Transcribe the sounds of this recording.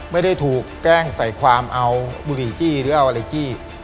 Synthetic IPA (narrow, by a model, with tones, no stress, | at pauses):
ma˥˩jda˥˩jt̪ʰuː˨˩kt͡ɕɛː˥˩ŋsa˨˩jkʰwaː˧mʔa˧wbuː˧ɾiː˨˩t͡ɕiː˥˩ɾɯː˨˦ʔa˧wʔa˧ɾa˧jt͡ɕiː˥˩